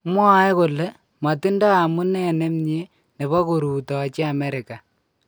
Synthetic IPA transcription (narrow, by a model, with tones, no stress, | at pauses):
mwɔ˦jko˨le˦ | ma˨ti˦ndɔ˦a˨mu˦nɛ˦nɛ˦mɲe˦ | ne˨βɔ˦ku˨ɾu˨tɔ˨t͡ʃe˦a˨mɛ˦ɾɪ˨ka˨